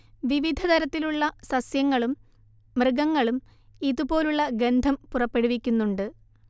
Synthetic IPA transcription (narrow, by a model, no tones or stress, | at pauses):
ʋiʋid̪ʱɐt̪ɐɾɐt̪ːiluɭːɐsɐsjɐŋːɐɭum | mrɨɡɐŋːɐɭum | iðubo̞ːluɭːɐɡe̞nd̪ʱɐmpurɐpːe̞ɽuʋikʲːunːuɳɖɨ